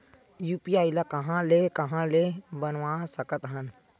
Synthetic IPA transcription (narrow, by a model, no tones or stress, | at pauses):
juːpiaːilakɐɦãlekɐɦãlebənʋãːsəkət̪ɦən